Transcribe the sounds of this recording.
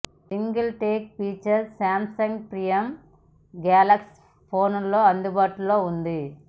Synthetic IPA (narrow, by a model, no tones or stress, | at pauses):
siŋɡɐlʈeːk̚piːt͡ʃɐɾsaːmsɐŋɡpɾijɐm | ɡaːlɐks | pʰo̞ːnlo̞ːɐnd̪ubaːʈulo̞ːund̪i